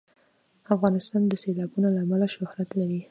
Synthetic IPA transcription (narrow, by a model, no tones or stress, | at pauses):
afɣɑnɪst̪ɑnd̪əselɑbunolaːmalaʃʊhɾat̪laɾi